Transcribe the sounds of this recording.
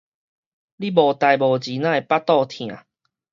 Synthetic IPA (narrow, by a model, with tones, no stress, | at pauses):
li˦bɔ˨˩t̪a˨jbɔ˨˩d͡ʑi˨˦nã˧e˨˩pa˦t̪ɔ˥˧t̪ʰj̃ã̰˨˩˦